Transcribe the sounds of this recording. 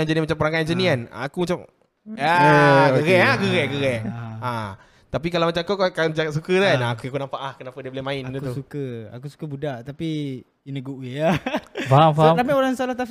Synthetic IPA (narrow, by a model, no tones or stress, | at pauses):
and͡ʒənimat͡ʃampəɾaŋajnd͡ʒəniana̰ːkumat͡ʃam | akəɣɛʔakəɣɛʔkəɣɛʔa | t̪apikalawmat͡ʃamkokakad͡ʒaɡat̪sukətanːkuakunampaʔahkənapadiəbolɪmãɪndəkut̪usukəa̰kusu̥kəbudaʔt̪api | inəɡuʔwiafaamfaɾamioɾaŋsalat̪af